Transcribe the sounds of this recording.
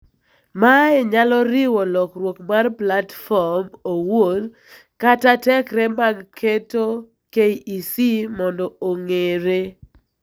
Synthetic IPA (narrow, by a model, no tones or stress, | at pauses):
maɛɲalɔɾɪwɔlɔkrwokmarplatfɔmowod | katatɛkɾɛmaɡkʰeto | keiisimɔndɔoŋeɾe